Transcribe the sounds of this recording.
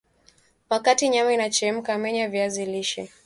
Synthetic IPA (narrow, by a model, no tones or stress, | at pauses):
wakatiɲamainat͡ʃɛm̩kamɛɲavjaziliʃɛ